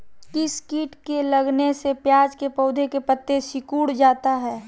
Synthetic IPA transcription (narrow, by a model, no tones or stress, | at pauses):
kɪskiːʈkelɐɡnesepjaːd͡ʒkepɔʊd̪ʱekepət̪ːesɪkuːɽd͡ʒaːt̪aɦɛː